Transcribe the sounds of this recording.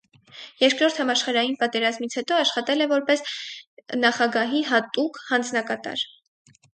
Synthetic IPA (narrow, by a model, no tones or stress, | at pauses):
jɛɾkɾɔɾt̪ʰhɑmɑʃχɑɾɑjinpɑt̪ɛɾɑzmit͡sʰhɛt̪ɔɑʃχɑt̪ɛlɛvɔɾpɛs | nɑχɑɡɑɦiɦɑt̪ukhɑnd͡znɑkɑt̪ɑ̰ɾ